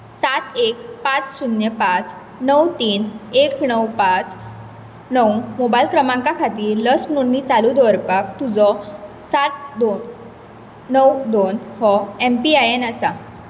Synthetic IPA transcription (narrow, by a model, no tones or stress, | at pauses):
sat̪ek̚pãt͡ssunjəpãt͡s | nəwt̪iːneknəwpãt͡s | nəwmobajlkɾəmãŋkakʰat̪iːləsnunːit͡salud̪ɔɾpakt̪ud͡zɔ | sat̪̚d̪on | nəwd̪onhɔempiajenasa